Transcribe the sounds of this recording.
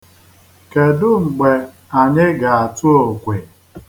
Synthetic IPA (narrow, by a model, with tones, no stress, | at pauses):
ke˨dʊ˦ŋ͡m̩˨ɡ͡be˨ | a˨ɲɪ˦ɡa˨a˨tu˦o˨kʷe˨